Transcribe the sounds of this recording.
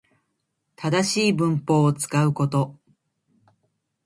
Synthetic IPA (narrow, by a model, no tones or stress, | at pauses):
t̪ad̪aɕiːbɯ̟̃mpo̞ːt͡sɨ̥kaɯ̟ko̞t̪o̞